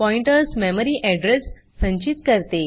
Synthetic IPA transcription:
pɔiɳʈəɾsmɛməɾiːʔɛɖɾesː | ə̃ɲt͡ɕit̪kəɾt̪e

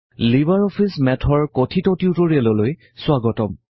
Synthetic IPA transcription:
libaɹɔpʰismɛtʰɔɹkotʰitɔtiʊtoɹiɛlɔloj | sʊwaɡɔtɔm

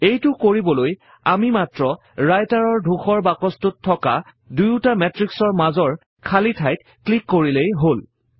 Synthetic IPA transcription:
ejtʊkoɹibɔloj | amimatɹɔ | ɹajtaɹɔɹdʱuxɔɹbakɔstʊtʰːɔka | dujʊtamɛtɹiksɔɹmazɔɹ | kʰalitʰajt̚ | klikːoɹilejɦol

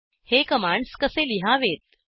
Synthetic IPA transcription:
hekəmaɳɖskəseliɦaʋet̪̚

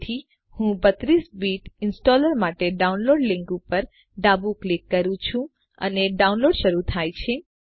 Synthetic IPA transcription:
t̪ʰi | hũbət̪ɾisbiʈɪnsʈɔləɾmaʈeɖaunloɖlĩŋkupəɾ | ɖabuklikːəɾũt͡ʃʰũ | ə̰neɖaũnloɖʃəɾut̪ʰajt͡ʃʰe

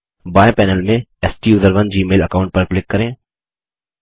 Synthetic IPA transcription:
baːjepɛːnəlmẽɛsʈiʊzəɾʋənd͡ʒiːmeːlɐkaːʊ̃ɳʈ̚pɐɾklɪkːɐɾẽː

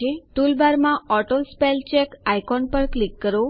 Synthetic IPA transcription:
eʈulbaɾmãɔʈolspelt͡ʃekajkɔnpəɾklikːəɾo

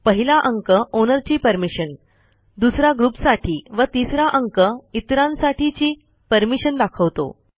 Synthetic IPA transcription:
pəɦilaʔəŋkəʔonəɾt͡ɕiːpəɾmiɕən | d̪usɾaɡɾupsaʈʰiːʋət̪isɾaʔəŋkəit̪ɾãnsaʈʰit͡ɕiː | pəɾmiɕənd̪akʰəʋt̪o̰

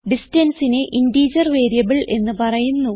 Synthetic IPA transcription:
ɖistɐnsineʔindiːd͡ʑɐrʋe̞ːɾijɐbiɭʔe̞nːɨpɐrɐjunːu

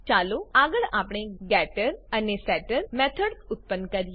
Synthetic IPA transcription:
t͡ʃaːloaːɡəɭaːpɽ̃eɡɛːʈəɾɐnesɛːʈəɾmɛːt̪ʰəɖʊt̪̚pənkɐɾi

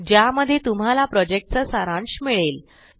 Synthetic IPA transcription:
d͡ʑjaməd̪ʱːjet̪um̤alapɾɔd͡ʑek̚ʈ̚t͡səsaɾãɳɕmiɭel

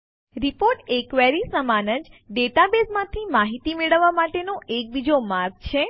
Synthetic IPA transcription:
ɾipoɾʈekʋeɾisəmanəd͡ʒɖeʈabesmãt̪ʰimaɦit̪imeɭəʋːamaʈenoʔek̚bid͡ʒomaɾk̚t͡ʃʰe

